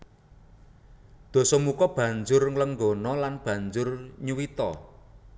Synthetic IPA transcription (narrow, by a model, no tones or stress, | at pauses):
d̪̥ɔ̤sɔmukɔb̥ä̤ɲd͡ʒʊrŋləŋɡonɔlanb̥ä̤ɲd͡ʒʊrɲuwit̪ɔ